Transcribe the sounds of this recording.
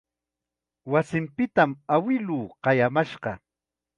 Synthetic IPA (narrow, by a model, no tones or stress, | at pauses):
wasɪmpɪt̪amawɪluːqɑjamaʃɢɑ